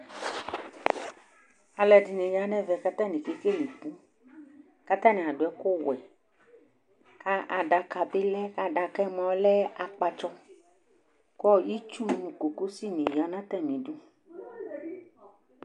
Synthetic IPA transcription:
a˨lɛ˨di˨nẽ˨ja˨˦nɛ̃˦vɛ˨ka˦t̪ã˦nĩ˨ke˦ke˦li˨ku˦ | ka˦t̪ã˦nɛ̃˨a˨ɖo˨ɛ˦ko˦wɛ˨ | ka˦ʔa˨ɖa˨ka˨be˦lɛ˦ka˨ɖa˨kɛ˦mɔ̃˨˦lɛ˦a˨k͡pa˨t͡ʃɔ˦ | kɔ˦ji˦t͡ʃu˦n˦nũ˨ko˨ko˦si˦nĩ˨ja˨nã˦t̪ɛ˦mĩ˨ɖu˦

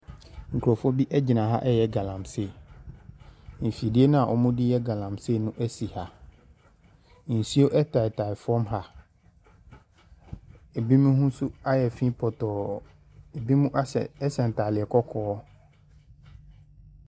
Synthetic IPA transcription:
ŋ̩˨kʰu˨ɾɔ˨fɔ˦bi˦ʔɛ˦d͡ʑi˨nã˨ɦa̰˦ʔɛ˦jɛ˦ɡa˨lã˨mse˨ | n̩˨fi˨dɪ˦e˦nʊ̃˦a˨ʔɔ˨mʊ̃˦dɪ˦jɛ˦ɡa˨lã˨mse˦˨nʊ̃˦ʔæ˦si˨ha˨ | n̩˨si˦o˦ʔɛ˦tʰa˨tʰa˨ɪ˨fɔ˦mɦa˨ | ɛ˨bi˦mũ˦hũ˦su˦a˦jɛ˨fĩ˦pʰɔ˨tɔː˨ | ɛ˨bi˦mũ˦ʔa˦ɛ̰˨ɛ˦sɛ̃˨n˨tʰa˨lɪ˨ɛ˨kʰɔ˦kʰɔː˦

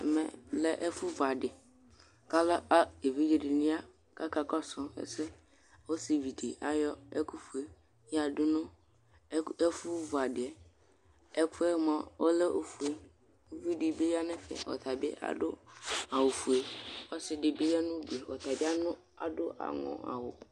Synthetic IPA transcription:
mɛ̰˨lɛ˦ʔɛ˦fʊ˦va˨ɖɪ˨ | ka˦lɛ˦a˦e˨vi˦d͡ʒi˦ɖɪ˨nʊ̃˦a˦ | ka˦ka˦kɔ˦sɔ̃˦ɛ̰˦sɛ˦ | wo˦sɪ˨vi˨di˨ʔa˨jɔ˦ɛ˦ku˦fu˨e˨ | ja˨dʊ˦nʊ̃˦ | e˦fʊ˦vʊ˨a˨dɪ˨ɛ˨ | ɛ˦ku˦ɛ˦mã˦wo˦lɛ˦ʔo˨fu˨e˦ | vi˦dɪ˨be˦ja˦nɛ̃˦fɛ̰˨ɔ̰˨t̪ʰa˨bḛ˦ʔa̰˨dʊ˦a˨wo˨fu˨e˦wɔ˦sɪ˦dɪ˨be˦jɛ˦nʊ̃˦du˨e˨wɔ̰˨t̪a˨bɪ˦a˦nʊ̃˦ | a̰˨dʊ˦ʔa̰˨ŋɔ̰̃˨a̰˨wʊ̰˨

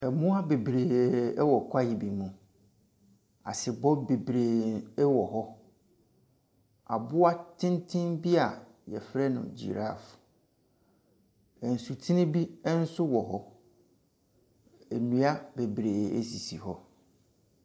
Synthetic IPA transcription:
ɛ˨mʊ̃˦a˦be˨bɾeː˨ɛ˦wɔ˨kʰʷa˦jɪ˨bi˨mũ˨ | a̰˨sɪ˨bɔ˦be˨bɾeː˨ɛ˦wɔ˨ɦɔ˦ | a̰˨bʊ˦a˦tʰɪ̃˦ntʰɪ̃˦nbi˦a˨ | jɛ˨fɾɛ˦nʊ̰̃˨d͡ʑḭ˨ɾa̰˦˨f | ɛ˨n̩˨su˨tʰi˦nĩ˦bi˦ɛ˦n̩˦sʊ˦wɔ˨ɦɔ˦ | ɛ˨nũ˦a˦be˨bɾeː˨ḛ˦si˨si˨hɔ˦

